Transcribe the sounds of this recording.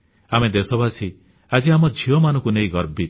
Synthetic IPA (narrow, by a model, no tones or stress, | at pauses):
amed̪esɔbasʰi | ad͡ʒiamɔd͡ʒʱiɔmanɔ̃ŋkuneĩɡɔɾbi